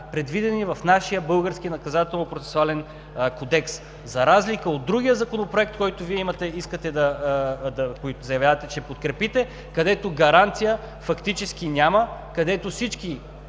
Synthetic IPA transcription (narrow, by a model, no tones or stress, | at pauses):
pɾɛd̪vid̪ɛnivɐfnaʃijəbɤlˠɡəɾskinɐkɐzat̪ɛlˠnopɾotsɛ̥sʊalɛn | kod̪ɛks | zɐɾazlikəod̪ːɾuɡʲijəzɐkonopɾoɛk̚t̪kɔjt̪ʊviɛimɐt̪ɛiskət̪ɛd̪ɐd̪ɐkoit̪ʊzɐjɐvʲjavɐt̪ɛt͡ʃɛpot̪kɾɛpit̪ɛ | kɐd̪ɛt̪oɡɐɾant̪sijə | fɐkt̪it͡ʃɛskinʲaməkɐd̪ɛt̪osit͡ʃk̟i